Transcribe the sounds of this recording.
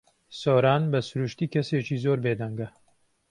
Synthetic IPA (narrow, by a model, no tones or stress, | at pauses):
soːɾaːnbɐsuɾuʃt̪iːkʰɐseːt͡ʃiːzoːɾbeːd̪ɐŋɡɐ